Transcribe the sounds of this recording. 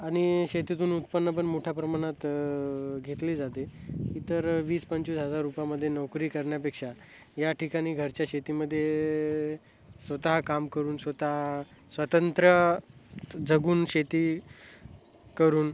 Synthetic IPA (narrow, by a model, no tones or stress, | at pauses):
aɽ̃iɕet̪it̪uːnut̪̚pənːəp̬əɳmoʈʰjapɾəmaɽ̃at̪ | ɡʱet̪liːd͡zat̪ekiːt̪əɾʋiːspəɲt͡ɕiːsɦəd͡zaɾːupjaməd̪ʱːjenɔwkɾiːkəɾɳjapekʂa | jaʈʰikaɽ̃iːɡʱəɾt͡ɕjaɕet̪iːməd̪ʱːje | sʋət̪aɦakamkəɾuːnsʋət̪aɦa | sʋət̪ənt̪ɾə | d͡zəɡuːnɕet̪iː | kəɾuːn